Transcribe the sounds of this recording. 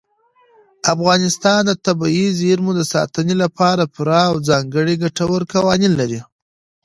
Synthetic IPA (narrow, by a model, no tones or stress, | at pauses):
afɣɑnɪst̪ɑnd̪ət̪abɑizeɾmud̪əsɑ̰t̪ənelapʰɑɾapʊɾɑːwzɑŋɡəɽiɡaʈawəɾkawɑninlaɾi